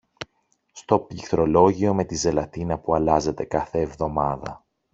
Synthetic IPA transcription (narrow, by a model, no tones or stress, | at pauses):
st̪o̞piθɾo̞lo̞ʝio̞me̞t̪ize̞lɐt̪inɐpuɐlɐze̞t̪e̞kɐθe̞ːvðo̞mɐðɐ̰